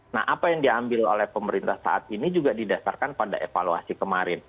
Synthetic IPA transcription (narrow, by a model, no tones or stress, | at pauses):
na̰hʔapajaŋdiaambɪlo̰lɛhpəməɾint̪ahsa̰ʔat̪inid͡ʒuɡadidasarkanpada̰ʔefalua̰sikəmaɾɪn